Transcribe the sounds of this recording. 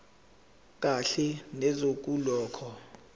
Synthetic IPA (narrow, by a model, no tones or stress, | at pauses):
k̬ʼaɬɛnɛzok̬ʼulɔːkʰɔ